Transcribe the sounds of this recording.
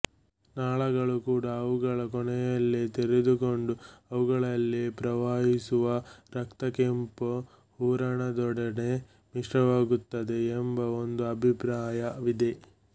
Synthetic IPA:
naːɭɐɡɐɭukuːɽɐːʋuɡɐɭɐkɔɳɛjɐlːit̪eɾed̪uko̞ɳɖuɐʋuɡɐɭɐlːipɾɐʋaːɦisuʋɐɾɐkt̪ɐkempo | huːɾɐɳɐd̪ɔɽɐne | miʂɾɐʋaːɡut̪ːɐd̪e̞ːmbɐond̪uɐbʱipɾaːjɐʋid̪e̞

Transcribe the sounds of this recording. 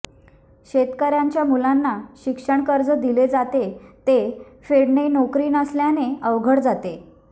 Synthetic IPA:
ɕet̪kəɾjaɲt͡ɕjamulanːaɕikʂəɳkəɾd͡zəd̪iled͡zat̪et̪e | feɽɳenokɾiːnəsljaneəʋɡʱəɽd͡zat̪e

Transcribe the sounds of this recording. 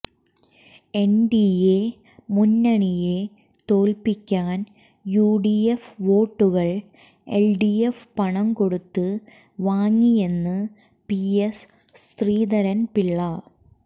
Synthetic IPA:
e̞nɖije | munːɐɳije | t̪o̞ːlpikʲːaːn | juːɖiefʋo̞ːʈːuɣɐɭ | elɖijefpɐɳɐmko̞ɽut̪ːɨ | ʋaːŋːije̞nːɨ | pies | st̪riːd̪ɐɾɐnpiɭːɐ

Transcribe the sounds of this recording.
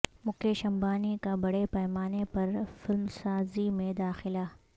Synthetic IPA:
mʊkeʃɐ̃mbaːnikabɐɽepɛːmaːnepɐɾfɪlmsaːzimẽd̪aːxɪlaː

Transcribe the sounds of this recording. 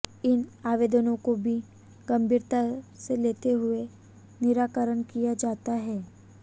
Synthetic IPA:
ɪnaːʋeːd̪ənõkobʱi | ɡɐ̃mbʱiːɾt̪aseleːt̪eɦʊe | nɪɾaːkəɾənkijad͡ʒaːt̪aɦɛː

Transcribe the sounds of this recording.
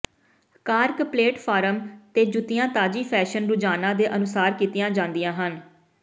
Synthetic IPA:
kaːɾkpleːʈpʰaːɾəmt̪eːd͡ʒʊt̪ɪjãːt̪aːd͡ʒiːpʰɛːʃənɾʊd͡ʒaːnãːd̪eːʔənʊsaːɾkiːt̪ɪjãːd͡ʒãːnd̪ɪjãːɦən

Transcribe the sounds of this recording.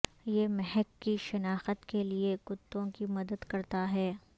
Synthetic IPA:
jeːmɛɦɛkːiʃɐnaːxət̪keliekʊt̪ːõkimɐd̪əd̪kɐɾt̪aɦɛː

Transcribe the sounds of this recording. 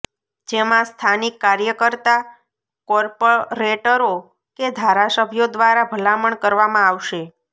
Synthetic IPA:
d͡ʒemãst̪ʰanikːaɾjəkəɾt̪a | kɔɾpoɾeʈəɾo | ked̪ʱaɾasəbʱjod̪ʋaɾabʱəlaməɳkəɾʋamãaʋʃe

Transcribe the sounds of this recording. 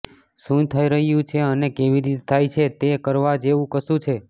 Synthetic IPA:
sũt̪ʰəiɾəɦjũt͡ʃʰeənekeʋiɾit̪et̪ʰajt͡ʃʰet̪ekəɾʋad͡ʒeʋũkəsũt͡ʃʰe

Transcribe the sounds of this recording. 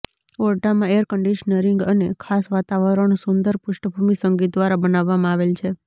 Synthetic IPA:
ɔɾʈamãejəɾkəɳɖiʃənəɾɪŋɡənekʰasʋat̪aʋəɾəɳusʊnd̪əɾpʊʃʈəbʱumisəŋɡit̪̚d̪ʋaɾabənaʋːamãaʋelt͡ʃʰe

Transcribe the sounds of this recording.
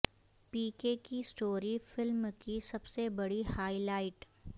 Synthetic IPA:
piːkekisʈoːɾifɪlmkisɐbsebɐɽihaːilaːɪʈ

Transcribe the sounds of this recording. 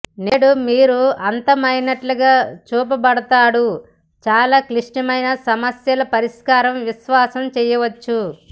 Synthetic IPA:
neːɽumiːɾuɐnt̪ɐmɐjnɐʈluɡaːt͡ʃuːp̬ɐbɐɽɐt̪aːɽu | t͡ʃaːlaːkliʂʈɐmɐjnɐsɐmɐsjɐlɐpɐɾiʂkaːɾɐmʋiʃʋaːsɐmt͡ʃɛjɐʋɐt͡ʃːu

